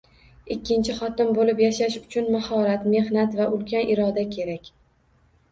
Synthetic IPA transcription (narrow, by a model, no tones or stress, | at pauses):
ɪkʲːɪnt͡ʃʰɪχɒt̪ɪmbolɪpjaʃaʃʊt͡ʃʰʊnmahɒɾat̪me̞hnat̪vaʔʊlkʲanʔɪɾɒd̪akʲʰe̞ɾakʲ